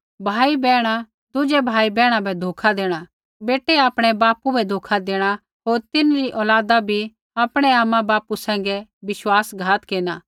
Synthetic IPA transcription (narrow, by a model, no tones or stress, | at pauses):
bʱaːibɛːɽ̃a | d̪ʊd͡ʒɛbʱaːibɛːɽ̃ãbɛd̪ʱoːkʰad̪eːɽ̃a | beːʈɛaːpɽ̃ɛbaːpubɛd̪ʱoːkʰad̪eːɽ̃a | ɦoːɾt̪ɪnɾiʔɔːlaːd̪abʱi | apɽ̃ɛaːmãbaːpusɛ̃ːŋɡɛbɪʃwaːsɡʱaːt̪keːnaː